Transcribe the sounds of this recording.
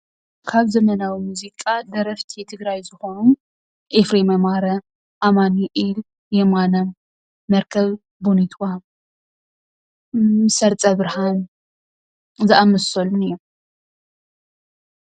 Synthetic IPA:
kʰaβzɐmɐnawimuzikʼad̪ɐɾɐft̪ʰit̪ʰɨɡɾajzɨxonu | ʔefɾemɐmaɾɐ | ʔamaniʔil | jɛmanɐmː | ɐɾkʰɐβ | bunit̪ʰwa | mɨsɐɾt͡sʼɐβɨɾhan | zɨʔamɐsɐlunɨjːu

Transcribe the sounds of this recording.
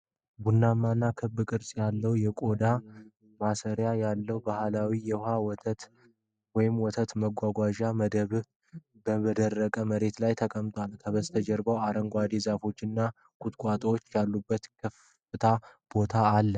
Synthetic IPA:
bunːamːanːakʰɨbːɨkʼɨɾsʼjalːəwjɛkʼo̞d̪a | masəɾjajalːəwbahlawijɛhawɔt̪ʰət̪ | wɔjɪmwɔt̪ʰət̪məɡʷaɡʷaʒaməd̪əβ | bəməd̪ərːəkʼəməɾe̞t̪lajt̪ʰəkʼəmt̪ʼwalkʰəβəst̪ʰəd͡ʒɛɾbəwaɾəŋɡʷad̪ezafo̞t͡ʃːɪnːa | kʼut̪ʼkʷʼat̪ʼwo̞t͡ʃːjalːubːət̪kʰəf | ɨt̪ʰab̥o̞t̪ʰaːlːə

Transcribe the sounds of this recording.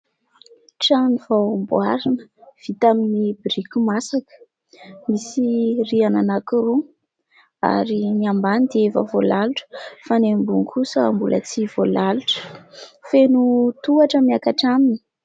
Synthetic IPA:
ʈ͡ʂanivawmbuaɾinəv̥it̪aminibiɾikʲumasakə̥ | misiriananakiɾu | a̰ɾiniambanid̪eva̰volaluʈ͡ʂə̥fanembuŋkʰusəmbulə̰t͡siv̥olaluʈ͡ʂə̥fenut̪uaʈ͡ʂəmiakaʈ͡ʂamini̥

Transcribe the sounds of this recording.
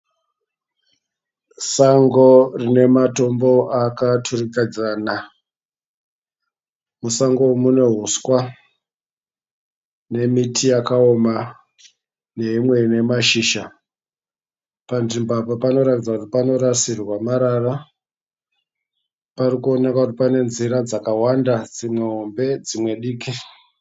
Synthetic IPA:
saŋɡo̞rine̞mato̞mbo̞ʔakatʰurikad͡zaːna | musaŋɡoumune̞ɦuskwa | ne̞mitʰijakao̞ma | ne̞ɦimwe̞ne̞maʃiːʃa | panʐimbapopano̞ɾatid͡zakutipano̞ɾasirwamaɾara | parikuo̞ne̞kakutipane̞nziɾad͡zakawandad͡zimwe̞ɦo̞mbe̞d͡zimwe̞ɗiːki

